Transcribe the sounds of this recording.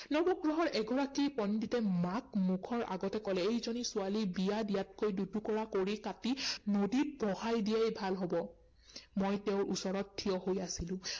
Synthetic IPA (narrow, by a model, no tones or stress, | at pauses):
nɔbɔɡɹɔɦɔɹʔɛɡɔɹakipɔnditɛmakmukʰɔɹʔa̰ɡɔtɛkɔlɛejzɔnisʊalibijadijatkojdudʱukɔɹakoɹikatinodibɔhajdijajbʱalɦɔbɔ | mojteʊɹʔusɔɹɔtʰːiɔhojasilʊ̃